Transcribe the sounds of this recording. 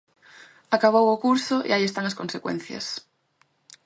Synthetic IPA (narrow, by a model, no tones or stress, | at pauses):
akaβ̞owokuɾsʊʔḛaiest̪aŋɐskõnsekwḛ̃n̟θjɐ̰s